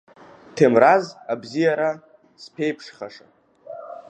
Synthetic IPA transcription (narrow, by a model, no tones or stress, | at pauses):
tʰemrazabzijaɾa | spʰejpʰʂχaʂa